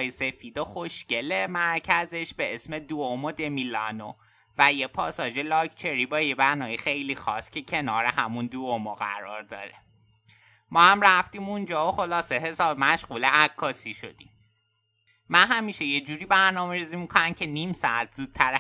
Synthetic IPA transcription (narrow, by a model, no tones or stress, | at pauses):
jese̞fiːd̪oxo̞ʃce̞le̞mæɾcʰæze̞ʃbe̞esme̞d̪uomod̪e̞milɒ̰no̰ | væjepʰɒːsɒːd͡ʒe̞lɒːcʰt͡ʃʰe̞ɾibɒːjebæɾnɒːmjixejliːxɒːscʰe̞cʰe̞nɒːɾehæmund̪uomoɣæ̰ɾɒ̰ːɾd̪ɒ̰ːɾe | mɒːhæmɾæft̪iːmund͡ʒɒːoxo̞lɒːse̞ɦe̞sɒːbmæʃɢuːleækʰːɒːsiʃo̞̰d̪̥im | mænɦæmiːʃeje̞d͡ʒuːɾiːbæɾnɒːme̞ɾiːzimikʰonæncʰe̞niːmsɒ̰æt̪ʰz̥uːd̪̥̚tʰæɾ